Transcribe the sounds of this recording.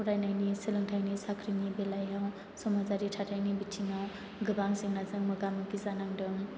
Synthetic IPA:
puɾajnajnisilɯŋtʰajnisakʰɾinibelajaw | sɔmad͡ʒaɾitʰatʰajnibitʰːiŋaw | ɡɯbaŋziŋnazɯŋmɯɡamɯkizanaŋdɯŋ

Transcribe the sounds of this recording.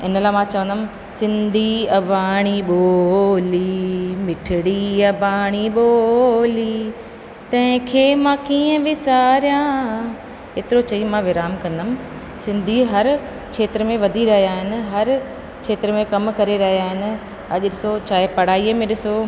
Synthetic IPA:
ɪ̰nəlaːmãːt͡ɕɐʋə̃nd̪əmɪ̆ | sɪ̃nd̪ʱiɐbʱaːɽ̃iɓoːlimɪʈʰɪɽiɐbʱaːɽ̃iɓoːli | t̪ɐ̃ɦɪ̃kʰeːmãːkiːə̃bʱɪsaːɾjã | ɦeːt̪ɪɾot͡ɕɐimãːʋɪɾaːmkɐ̃nd̪əmɪ̆ | sɪ̃nd̪ʱiɦɐɾ | kʰeːt̪ɾəmẽʋɐd̪ʱiɾɐɦijaːɦɪnɪ̆ɦɐɾ | kʰeːt̪ɾəmẽkɐmkɐɾeɾɐɦijaːɦɪnɪ̆ | ɐʄʊɗɪsot͡ɕaːɦɪpɐɽ̤aːiəmẽɗɪso

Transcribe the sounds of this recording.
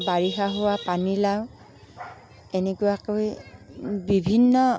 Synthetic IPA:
baɹixaɦʊwapanilaw̃ | enekʊakoj | bibʱinːɔ

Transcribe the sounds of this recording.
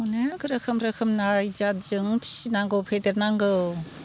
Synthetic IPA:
uneɡɯɾakʰɯmɾakʰɯmnajd͡ʒat̚d͡ʒɯŋpʰi̥sinaŋɡɯwpʰedeɾnaŋɡɯw

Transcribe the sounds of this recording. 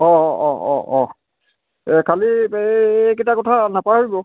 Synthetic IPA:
ɔɔɔ̰ʔɔ | kʰali | ketakɔtʰanapaɹibɔ

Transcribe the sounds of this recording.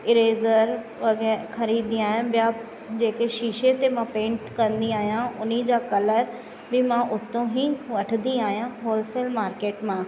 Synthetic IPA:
ɪɾeːzəɾ | ʋɐɡɛːxʰɐɾiːd̪d̪ĩaːɦjãbɪja | d͡ʑeːkeʃiːʃet̪emãpẽːɳʈkɐ̃nd̪iaːɦijãʊnid͡ʑaːkɐləɾ | bɪmãʔʊt̪õɦiʋɐʈʰnd̪iaːɦijãɦoːlselmaːɾkeːʈmãː

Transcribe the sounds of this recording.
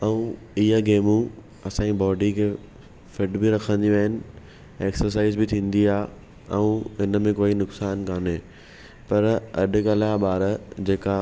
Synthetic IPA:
ɐũ | iaɡeːmũ | ɐsãːibɔːɖikʰeː | fɪɖbɪɾɐkʰə̃nd̪iʋaɦɪnɪ̆ | eːksəɾs̬aːɪzbɪt̪ʰĩːnd̪iaː | ɛũɦɪnəmẽkoːinʊksaːnkaːneː | pɐɾɐɗʊ̆kalaɓaːɾd͡ʑeːka

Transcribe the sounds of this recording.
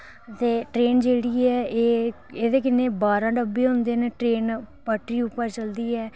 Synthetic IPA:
t̪eːʈɾeːnd͡ʒeːɽiːɛːeː | eːd̪eːkɪneːbaːɾãːɖəbeːɦõnd̪eːneːʈɾeːnpəʈɾiːʊpːəɾt͡ʃəld̪iːɛː

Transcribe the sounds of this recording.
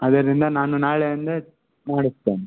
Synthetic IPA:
ɐd̪ɐɾind̪ɐnaːnunaːɭeɐnd̪ɐ | maːɽist̪ːeːni

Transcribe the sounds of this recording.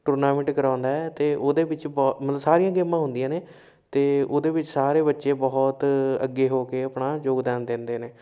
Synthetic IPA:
ʈʊɾnaːmɪ̃ʈkəɾãːʊnd̪aːɛːt̪eːʔoːd̪eːbɪt͡ʃbɔːmət̪ləsaːɾiːãːɡeːmãːɦʊ̃nd̪ijãːneː | t̪eːoːd̪eːbɪt͡ʃsaːɾeːbətːʃẽːbɔːt̪ə̰ɡːeːɦoːkeːəpnaːd͡ʒoːɡd̪ɛ̃ːnd̪ẽnd̪eːneː

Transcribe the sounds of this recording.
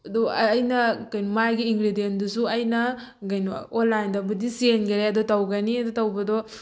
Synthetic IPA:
dɔːjnɐkɐjnɔmajɡiːŋɡɾidiendusuɐjnɐ | ɡɐjn̰onlːajndɐbudisienɡɐɾeɐdɔtɐwɡɐniɐdɔtɐwbɐdɔ

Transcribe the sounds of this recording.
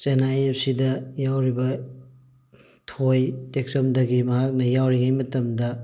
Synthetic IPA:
t͡ʃenajep̚sidɐjawɾibɐ | tʰojtek̚sɐmdɐɡimɐɦak̚nɐjawɾiŋajmɐtɐmdɐ

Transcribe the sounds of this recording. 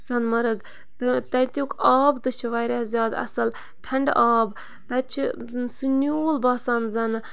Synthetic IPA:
sɐnmɐɾɨɡ | t̪ɨt̪ɐnt̪ʲjuːkɑːbt̪ɨt͡ʃʰiʋaːjɾʲɐzʲjaːd̪ɐ̰sɐl | ʈʰɐɳɖaːb | t̪ɐt͡ʃʰi | sɨnʲuːlbaːsɐnzɐnɨ

